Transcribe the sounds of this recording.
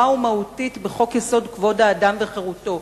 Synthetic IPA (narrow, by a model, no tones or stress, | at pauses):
aumahutitbeχo̞kjeso̞dkvo̞daːdamveχeʁuto̞